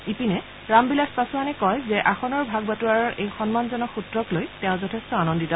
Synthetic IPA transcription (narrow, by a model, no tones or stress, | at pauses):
ipinɛ | ɹambilaspasuanɛkɔjzɛʔaxɔnɔɹbʱaɡ̚batuaɹɔɹʔejxɔnmanzɔnɔxutɹɔklojtɛʊ̃zɔtʰestɔanɔnditɔ